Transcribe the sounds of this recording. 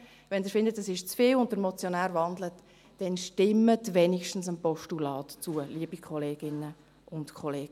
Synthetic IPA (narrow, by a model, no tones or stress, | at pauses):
ʋɛndɪːɾfɪndətɛsɪʃt͡sfiːlʊnt̚d̥əɾmɔt͡sjonæːɾvɑndlət | d̥ɛnʃtɪmːətvɛnikʃtn̩səmpɔʃtulɑːtt͡suəliəb̥ikʰχɔleːɡ̥ɪnə | ʊntkʰχɔleːɡ̥